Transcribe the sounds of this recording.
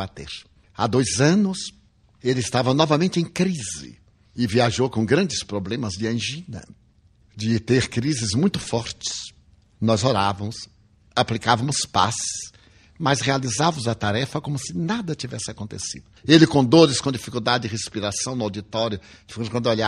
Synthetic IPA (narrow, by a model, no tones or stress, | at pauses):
at̪ḛɾ | a̰d̪ojzɐ̃nʊs | elɪɪst̪avɐnɔvɐmẽnt͡ʃɪẽkɾizɪ̰ | ɪviaʒowkõɡɾɐ̃nd͡ʒɪspɾoblẽmɐzd͡ʒɪɐ̃ʒĩnɐ̰ | d͡ʒɪt̪eɾkɾizɪzmũj̃t̪ʊfɔɾt͡ʃɪ̥s | nɔzoɾavɐmʊs | aplikavɐmʊspa̰sɪs | mɐshealizavɐmʊzɐt̪aɾɛfɐkõmʊsɪnad̪ɐt͡ʃivɛsɪakõnt̪ḛsḭd̪ʊelɪkõd̪oɾɪskõd͡ʒifikuwd̪ad͡ʒɪɪɦespiɾasɐ̃w̃nʊawd͡ʒit̪ɔɾjʊ | fkwɐ̃nd̪ʊoʎa